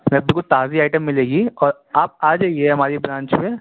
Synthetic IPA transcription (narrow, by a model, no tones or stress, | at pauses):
mɛ̃bilkʊt̪aːziaːɪʈəmːɪleːɡiɔːɾ | aːp̚aːd͡ʒejeɦɛɦɐmaːɾibɾãːɲt͡ʃpe